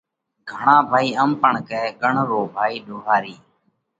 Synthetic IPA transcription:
ɡʱəɳãːbʱaːiːəmpəɳkɛkəɳɾoːbʱaːiːɗoːɦaːɾiː

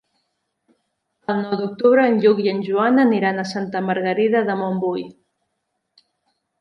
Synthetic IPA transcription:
əlˠnɔwd̪uk̚t̪uβ̞ɾəːnʎukjənʲʒuanəniɾanəsant̪əməɾɣəɾiðəðəmombuj

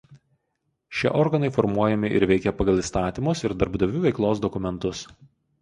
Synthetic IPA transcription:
ʃʲiɛʔɔɾɡɐnɐɪfɔɾmuɔjɛmʲɪʔɪ̰ɾʋʲɛɪkʲɛpɐɡɐlˠiːˑst̪ɑːt̪ʲiːˑmʊsɪɾd̪ɐɾbd̪ɐʋʲuːʋʲɛɪklˠoːsd̪ɔkʊmʲɛnt̪ʊs

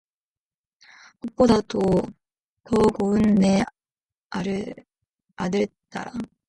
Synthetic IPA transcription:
ok̚p͈odato | tʌɡoɯnːe | aɾɯ | adɯɭt͈a̰ɾa

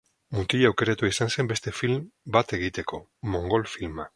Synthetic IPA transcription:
mut̪iʎawke̞ɾat̪uaisanse̞mbe̞st̪e̞filmbat̪e̞ɣ̞it̪e̞ko̞ | mo̞ŋɡo̞lfilma

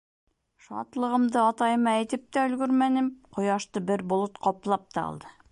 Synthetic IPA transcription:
ʃɑ̰t̪lˠɤ̆ʁɤ̆md̪ɤɑt̪ɑjɤmɑæjt̪ɘp̚t̪æɵ̆lɡɵɾmænɘmqʰŏjɑʃt̪ɤbɘɾbŏlˠɤt̪qʰɒplˠɑp̚t̪ɑ̰ɑ̰lˠd̪ɤ

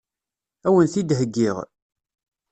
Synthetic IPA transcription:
æwənθid̪ɦəɡːiʁ

